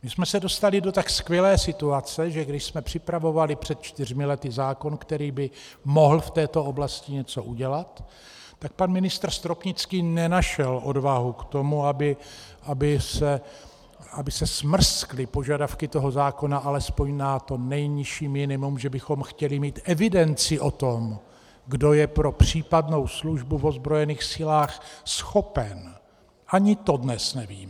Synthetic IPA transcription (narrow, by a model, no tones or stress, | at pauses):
mɪsmɛsɛdo̞st̪alɪdot̪akskvjɛlɛːsɪt̪uat͡sɛʒɛɡdɪʃsmɛpr̝̥ɪpɾavo̞valɪpr̥ɛt̪̚t͡ʃt̪ɪr̝mɪlɛt̪ɪzaːko̞nkt̪ɛɾiːbɪmo̞ɦl̩ft̪ɛːt̪o̞o̞blascɪɲɛt͡so̞ʔuɟɛlat̪ː | ak̚panmɪnɪst̪r̩st̪ɾopɲɪt͡skiːnɛnaʃɛlʔo̞dvaɦukt̪o̞muabɪʔabɪsɛ | abɪsɛsmr̩sklɪpo̞ʒadafkɪt̪o̞ɦo̞zaːko̞naʔalɛspo̞ɲnat̪o̞nɛjɲɪʃiːmɪnɪmumʒɛbɪxo̞mxcɛlɪmiːt̪ʔɛvɪdɛnt͡sɪʔo̞t̪o̞m | ɡdo̞jɛpɾo̞pr̝̥iːpadno̞wsluʒbuvo̞zbɾo̞jɛniːxsɪlaːxsxo̞pɛn | ʔaɲɪt̪o̞dnɛsnɛviːmɛ